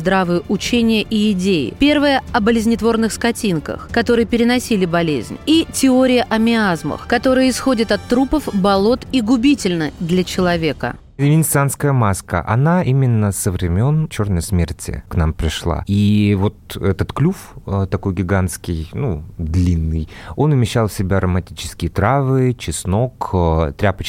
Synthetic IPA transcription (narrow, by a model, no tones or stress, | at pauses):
zd̪ɾavɨjəʔʊt͡ɕenʲɪjəʔiɪdʲejɪ̰pʲe̞rvəjəɐbəlʲɪzʲnʲɪt̪vo̞rnɨxskɐtʲinkə̰xkɐt̪o̞ɾɨjəpʲɪɾʲɪnɐsʲilʲɪbɐlʲḛzʲnʲitʲɪo̞ɾʲɪjəʔɐmʲɪazmə̰xkɐt̪o̞ɾɨjəɪsxo̞dʲɪt̪ɐt̪ːɾupəfbɐlˠo̞t̪iɡʊbʲitʲɪlʲnəd̪lʲɐt͡ɕɪlˠɐvʲe̞kə̰ | ɪvʲɪnʲsanskəjəmaskə̰ʔɐ̰naʔimʲɪnːəsəvɾʲɪmʲo̞nt͡ɕo̞rnəjəsmʲḛrtʲɪ̰knampɾʲɪʂlˠa̰ivo̞t̪ɛt̪ət̪klʲufət̪ɐko̞jɡʲɪɡanskʲɪjnud̪lʲinːɨjo̞nvmʲɪɕːalˠfsʲɪbʲaɾəmɐtʲit͡ɕɪ̥skʲɪjət̪ɾavɨt͡ɕɪsno̞kt̪ɾʲapət͡ɕ